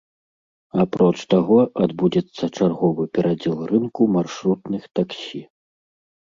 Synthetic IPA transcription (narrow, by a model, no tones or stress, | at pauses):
apɾɔt͡ʂt̪aɣɔad̪bud͡zʲɛt̪sːɐt͡ʂarɣɔvɨpʲɛɾʔad͡zʲɛlˠrɨnkumarʂɾut̪nɨxt̪aksʲi